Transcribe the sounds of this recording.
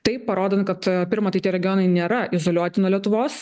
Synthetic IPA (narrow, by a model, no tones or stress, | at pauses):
t̪ɐɪppɐɾoːd̪ʲɐnkɐt̪pʲɪɾmɐt̪ɐɪt̪ʲiɛɾʲɛɡʲɪjoːnɐɪnʲeːɾɐɪzoːlʲuɔt̪ʲɪnuɔlʲiɛt̪ʊʋoːs